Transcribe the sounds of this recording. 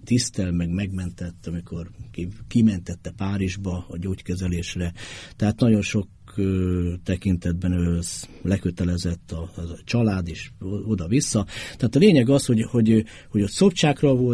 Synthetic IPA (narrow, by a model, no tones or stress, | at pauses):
t̪ist̪ɛlmɛɡmɛɡmɛnt̪ɛt̪ːɒmiko̞rkikimɛnt̪ɛt̪ːɛpaːɾiʒbɒːɟoːckɛzɛleːʃrɛt̪ɛɦaːt̪nɒɟo̞nʃo̞k | øt̪ɛkint̪ɛd̪̚bɛnøz | lɛkøt̪ɛlɛzɛt̪ːɒt͡ʃɒlaːd̪eːʃo̞d̪ɒvisːɒt̪ɛɦat̪ɒleːɲɛɡɒsho̞ɟho̞ɟ | ho̞ɟot̪sopt͡ʃaːkrɒvol